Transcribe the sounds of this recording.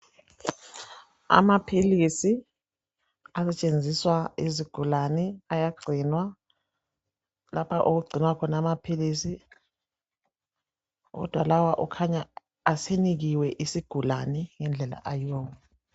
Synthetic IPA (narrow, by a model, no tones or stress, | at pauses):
a̰mapʰilisi | asɛt͡ʃʼend͡zʱiswaiziɡ̥ʱulanɛajaɡ͡ǀʱinwa | lapʰaʔoɣuɡ͡ǀʱinwakʰɔnamapʰilisi | ɣɔ̰d̥ʱwalawaʔukʰaɲaː | seniɣiwɛʔisiɡ̥ʱula̰nɛŋɛnd͡ɮʱɛla̰ʔajɔːwɔ